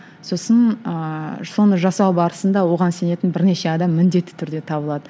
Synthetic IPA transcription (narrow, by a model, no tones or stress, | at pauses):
so̞sənəso̞nəʒɑsɑwbɑɾəsənd̪ɑwo̞ʁɑnse̞ne̞t̪ɪnbɪɾne̞ʃe̞ɑd̪ɑmːɪnd̪e̞t̪ːɪ̥t̪ʰʏɾd̪e̞t̪ʰɑbəlˠɑd̪ə